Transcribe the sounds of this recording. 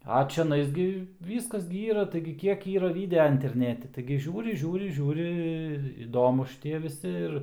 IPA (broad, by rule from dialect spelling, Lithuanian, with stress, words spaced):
ɐ t͡ʃʲɛˈnɐɪs ɡʲɪ ˈʋʲiːskɐs ɡʲɪ ˈiːrɐ tɐɪɡʲɪ ˈkʲiɛk ˈiːrɐ ˈʋʲɪdʲɛɐ ɪnʲtʲɛrʲˈnʲæːtʲɪ tɐɪɡʲɪ ˈʒʲuːrʲɪ ˈʒʲuːrʲɪ ˈʒʲuːrʲɪ ɪr ɪˈdoːmʊs ʃʲɪˈtʲiɛ ʋʲɪˈsʲɪ ɪr